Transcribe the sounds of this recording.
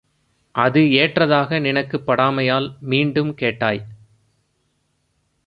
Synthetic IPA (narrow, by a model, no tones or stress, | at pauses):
ʔɐðɯeːʈrɐðaːɣɐnɪnɐkːɯpːɐɽaːmɐjaːlmiːɳɖɯmkeːʈːaːj